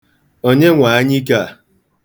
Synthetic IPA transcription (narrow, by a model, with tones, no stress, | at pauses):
o˦ɲe˦ŋʷa˨a˦ɲi˦ka˦˨